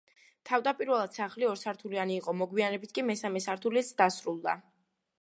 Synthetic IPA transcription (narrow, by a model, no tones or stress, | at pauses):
t̪ʰavd̪apʼiɾvɛlˠad̪̥saχliɔɾsaɾt̪ʰulianiːqʼɔmɔɡwianɛbit̪ʰkʼimɛsamɛsaɾt̪ʰulisd̪asɾulˠd̪a̰